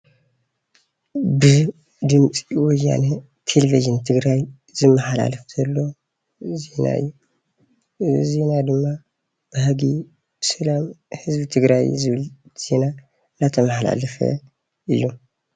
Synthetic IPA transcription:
bɨ | d̪ɨmt͡sʼwɔja̰nɐ | t̪ʰeleviʒɨnt̪ʰɨɡɾaj | zɨmːɐħala̰lɐft̪ʰɐlːo̞ | ze̞na̰ɨ̰jːu | ze̞nad̪ɨmːa | b̥ɨhɐɡi | b̥ɨsɐlamhɨzbɨt̪ʰɨɡɾajzɨβɨlz̥e̞na | nat̪ʰɐmɐħala̰lɐfɐ̰ | ɨjːu

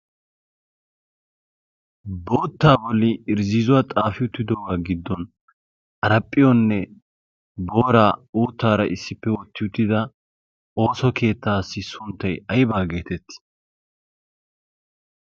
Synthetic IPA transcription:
bo̞ːt̪ːaːbɔlːɪɪɾziːzʊwaːt̪ʼaːfɪʊt̪ːɪd̪ɔwaːɡɪd̪ːɔn | ʔɐɾɐpʼːɪjɔnːɛ | bo̞ːɾaːuːt̪ːaːɾɐʔɪsːɪpːɛwɔt̪ːɪjʊt̪ːɪd̪ɐ | o̞ːsɔkʰe̞ːt̪ːaːsːɪsʊnt̪ːɐjɐjbaːɡe̞ːt̪ɛt̪ːɪ̥

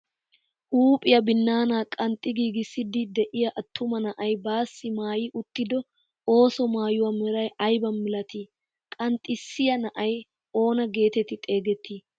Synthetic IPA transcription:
ʔuːpʼɪjɐbɪnːaːnaːkʼɐnt̪ʼːɪɡiːɡɪsːɪd̪ɪd̪ɛʔɪjɐʔɐt̪ʰːʊmɐnɐʔɐjbaːsːɪmaːjiʔʊt̪ːɪd̪ɔ | o̞ːsɔmaːjʊwɐmɛɾɐjɐjbɐnmɪlɐt̪i | kʼɐnt̪ʼːɪsːɪjɐnɐʔɐj | o̞ːnɐɡe̞ːt̪ɛt̪ːɪt̪ʼe̞ːɡɛt̪ːiː

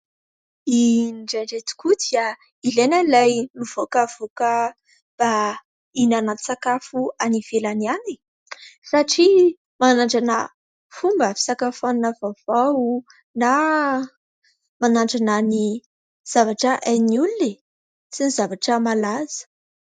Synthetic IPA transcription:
inɖ͡ʐaɳɖ͡ʐet̪u̥kud̪ia | ilenəlajnuv̥okav̥okə | b̥a | inanant͡sakafuaniv̥elaniani | saʈ͡ʂi | manaɳɖ͡ʐanə | fumbəfi̥sakafannavava | na | manaɳɖ͡ʐanani | z̥avaʈ͡ʂəʔajniulune | sinizavaʈ͡ʂəmalaz̥ə̥

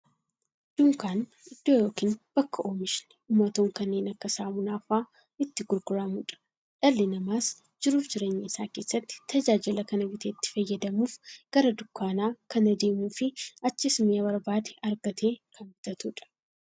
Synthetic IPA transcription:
d̪uːŋkaːn | ɪd̪̥ːoːjo̞ːkiːnb̥ɐkːɐʔoːmɪʃɪnɛuːmːɐt̪oːŋkɐnːeːnɐkːɐsaːmʊnaːfaː | ɪt̪ːɪɡʊɾɡʊɾamuːᶑɐ̥ | ᶑɐlːɪnɐmaːs | d͡ʒɪɾuːfd͡ʒɪɾe̞ːɲːeɪsaːke̞ːsːɐt̪ːɪ̥t̪ʰɐd͡ʒaːd͡ʒɪlɐkɐnɐbɪt̪ʰeːt̪ːɪ̥fɐjːɐd̪ɐmuːfɡ̥ɐɾɐd̪ʊkːaːnaːkɐnɐd̪e̞ːmuːfɪɐt͡ʃːɪsʊmebɐɾbaːd̪ɛ̥ɐɾɡɐt̪e̞ːkʰɐnɡʊt̪ɐt̪uːᶑɐ̥

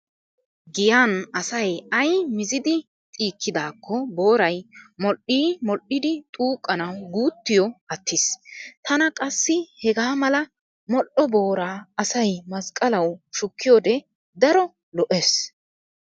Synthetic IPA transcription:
ɡɪjaːnɐsɐjɐjmɪzɪd̪ɪ | t̪ʼiːkːɪd̪aːkːɔbo̞ːɾɐjmɔʔiːmɔlʔɪd̪ɪt̪ʼuːkʼːɐnɐwɡuːt̪ːɪjɔɐt̪ʰːɪst̪ʰɐnɐkʼɐsːɪhɛɡaːmɐlɐ | mɔʔɔbo̞ːɾaːɐsɐjmɐskʼɐlɐwʃʊkːɪjɔd̪ɛ | d̪ɐɾɔ | lɔʔes

